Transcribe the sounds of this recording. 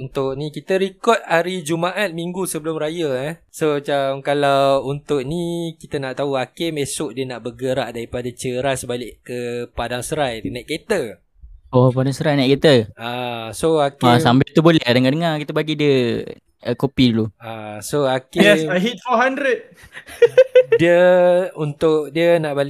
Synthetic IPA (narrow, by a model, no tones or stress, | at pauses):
unt̪ʊʔnikit̪əɾikɔt̪̚haɾid͡ʒumaʔat̪̚miŋɡusəbəlʊmɾajəsomat͡ʃamkalawunt̪ʊʔnikit̪ənaʔt̪aɦuakemesʊʔdiənaʔbəɡəɾaʔdaɾipadat͡ʃəɾasəbalɪʔkəpadaŋsəɾaj̪najʔket̪ə | ɔpadaŋsəɾajnaʔket̪əasoakaambɪlt̪ubolɛhdəŋadəŋarkit̪əbaɡidiə | əkopiduluasoakesaɦit̪oɦandɾət̪̚ | diəunt̪ʊʔdiənaʔbal